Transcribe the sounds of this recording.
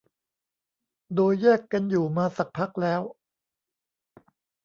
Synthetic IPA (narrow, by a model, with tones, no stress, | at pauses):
doː˧jːɛː˥˩kːa˧njuː˨˩maː˧sa˨˩k̚pʰa˦˥k̚lɛː˦˥w